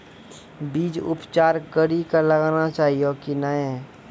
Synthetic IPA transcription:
biːd͡ʒʊ̰pt͡ʃaːɾkəɾikaləɡaːnat͡ʃaːɦijokinaẽ

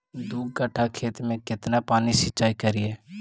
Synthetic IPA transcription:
d̪uːɡ̚kəʈʰakʰeːt̪mẽkɪt̪napaːnisɪt͡ʃʃaːikəɾɪeː

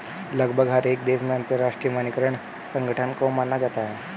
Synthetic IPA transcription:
ləɡbʱəɡɦəɾek̚d̪esmeənt̪əɾːaʂʈɾijəmənikəɾəɳ | səŋɡʱəʈʰənkomanːad͡ʒat̪aɦɛ

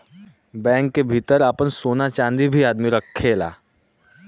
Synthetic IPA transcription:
bɛ̃ːŋkːebʱiːt̪əɾaːpənsoːnat͡ʃãːnd̪ibʱiaːd̪miɾəkʰːeːla̰ː

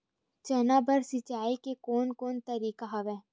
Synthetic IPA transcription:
t͡ʃɛːnabəɾsɪt͡ʃaːikekoːnkoːnt̪əɾiːkaɦɐʋɛː

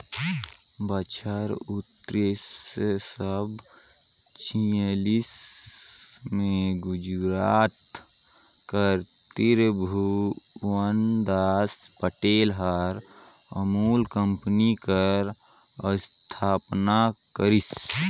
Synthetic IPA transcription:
bət͡ʃʰəɾut̪ɾissəbʱ | t͡ʃʰilis | mẽɡʊd͡ʒɾaːt̪ | kəɾ | t̪iɾbʱuʋənd̪aːspəʈeːlɦəɾ | əmuːlkəmpnikəɾ | əst̪ʰaːpnakəɾis

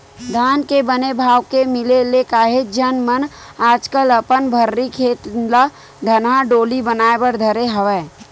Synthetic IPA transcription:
d̪ʱaːnkebənebʱaːʋkemɪlelekaːɦed͡ʒənmənaːd͡ʒkələpənbʱəɾːikʰeːt̪la | d̪ʱənɦaɖoːlibənaːebəɾd̪ʱəɾeɦəʋɛː

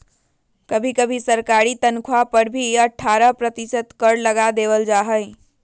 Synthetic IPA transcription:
kəbʱikəbʱisəɾkaɾit̪ənkʰwapəɾbʱiəʈʰːaːɾəpɾət̪isət̪kəɽləɡad̪eːʋəld͡ʒaːɦəɪ

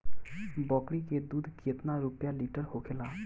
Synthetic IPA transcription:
bɔːkɽiked̪uːd̪ʱkʰiət̪naɾʊpjaliːʈəɾhoːkʰelaː

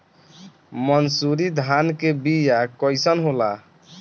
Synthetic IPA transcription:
mənsuɾid̪ʱankebijakɔjsənɦola

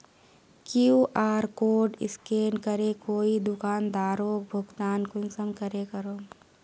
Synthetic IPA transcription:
kiuʔaːɾkoːɖɪ̰skeːnkəɾekoːid̪ʊkaːnd̪aːɾoːk̚bʱʊɡt̪aːnkʊŋsəmkəɾekəɾoː

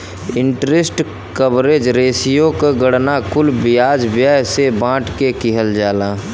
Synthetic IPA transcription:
ɪ̃ɳʈɾesʈ | kəbɾeːd͡ʒɾeːsijõkoɡəɽnakʊlbɪjaːd͡ʒbjaːɦsebãːʈkekɪɦəld͡ʒaːlaː

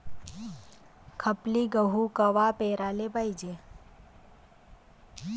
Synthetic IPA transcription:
kʰɐpliɡəɦukɐʋapeːɾaːlebaid͡ʒe

